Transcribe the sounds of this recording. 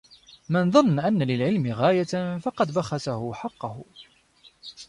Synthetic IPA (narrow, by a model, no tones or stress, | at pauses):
mɪnðˤɑnːʔanːalɪlʕɪlmɪɣaːjafɑqɑd̪baxɑt̪ahʊħɑqːɑhʊ